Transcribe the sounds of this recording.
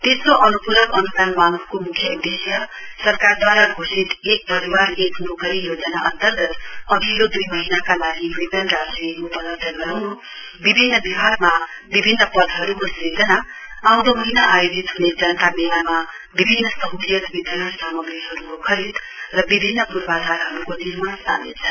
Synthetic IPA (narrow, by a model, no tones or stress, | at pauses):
t̪esoʔʌnupuɾʌkʌnupanmaŋʰkomukʰjʌud̪esjʌsʌrkard̪waɾaɡʱosit̪ek̚pʌɾibaɾekʰnukʌɾijod͡zʌnaʔʌnt̪ʌrɡʌt̪ʌɡʱikod̪ujmʌɦinakalaɡiwipʌnrasrikupʌlʌt̪ʌɡʌɾawnu | bibʱinːɐbibʱaɾmɐ | bibʱinːɐpɐd̪̚ɦɐɾuɡɐsid͡ʒɐnɐ | awd̪omɐɦinaʔajud͡ʒit̪̚huned͡ʒɐnt̪amijamɐ | bibʱinːɐsɐɦulijɐt̪bid̪ʱɐnasamɐɡɾiɦɐɾuɡukʰɐɾit̪ | ɾɐbibʱinːɐpuɾbad̪ʱaɾɦɐɾuɡoniɾmast̪a̰nḭsʰɐ